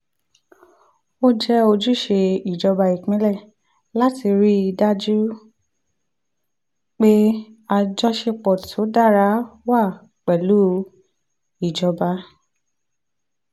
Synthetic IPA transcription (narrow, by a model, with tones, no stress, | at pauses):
o˦d͡ʒɛ˦o˧d͡ʒu˦ʃe˧i˨d͡ʒɔ˧ba˧i˨k͡pĩ˨˦lɛ˦˨ | la˦ti˧ɾi˦i˧da˦d͡ʒu˦ | k͡pe˦a˧d͡ʒɔ˦ʃe˧k͡pɔ˨tʰo˨˦da˦˨ɾa˧˦wa˦˨ | k͡pɛ˨lu˨˦ | i˨d͡ʒɔ˧ba˧˦